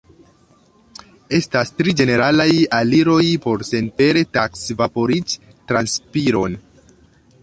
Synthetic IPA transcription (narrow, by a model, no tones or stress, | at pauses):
e̞stastɾid͡ʒe̞ne̞ɾalajaliɾo̞jpo̞ɾse̞npe̞ɾe̞taksvapo̞ɾit͡ʃ | tɾanspiɾo̞n